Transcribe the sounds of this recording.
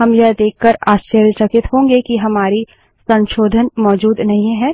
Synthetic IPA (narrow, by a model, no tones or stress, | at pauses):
ɦɐmjɐd̪eːkʰːəɾaːʃt͡ʃəɾjəsɐkɪt̪ɦõːŋɡekiɦɐmaːɾi | sɐ̃nʃoːd̪ʱənmɔːd͡ʒuːd̪nɐɦĩɦɛː